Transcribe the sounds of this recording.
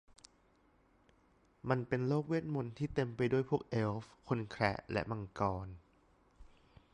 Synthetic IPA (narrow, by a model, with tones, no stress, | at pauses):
ma˧npe˧nloː˥˩k̚wi˥˩ət̪̚mo˧nt̪ʰiː˥˩t̪e˧mpa˧jdu˥˩əjpʰu˥˩ək̚ʔe˧˥lfkʰo˧nkʰɾɛ˦˥ʔlʔɛ̰˦˥ʔma˧ŋkɔː˧n